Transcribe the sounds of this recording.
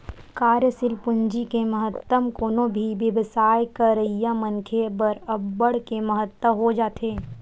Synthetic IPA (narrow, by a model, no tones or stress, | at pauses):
kaːɾjəsɪlpʊɲd͡ʒikeməɦət̪ːəmkoːnõbʱiʋjəʋsaːjkɐɾəɦijamə̃nkʰebɐɾɐbːəɽ̤keməɦət̪ːwəɦod͡ʒaːt̪ʰeː